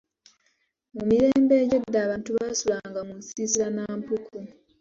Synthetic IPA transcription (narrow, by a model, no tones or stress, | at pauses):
mumiɾe̞ːmbe̞ːɟodːaːβaːntuβasulaːŋɡamusizilanaːmpukʰu